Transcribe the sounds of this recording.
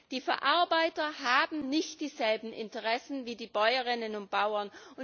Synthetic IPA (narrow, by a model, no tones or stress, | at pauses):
d̥iːfɛɐʔaɐbaɪtɐhaːbm̩nɪçtd̥iːzɛlbm̩ʔɪ̰ntəʁɛsn̩viːdiːbɔʏəʁɪnənʊnt̚b̥aʊɐnʊn